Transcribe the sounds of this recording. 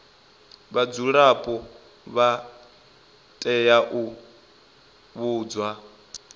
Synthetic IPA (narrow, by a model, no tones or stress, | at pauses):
βad͡zuɺapʼɔ | βa | tʼɛjaʔu | βuːd͡zwa